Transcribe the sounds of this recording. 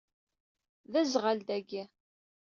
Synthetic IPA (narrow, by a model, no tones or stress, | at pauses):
ðæzʁald̪æɡæ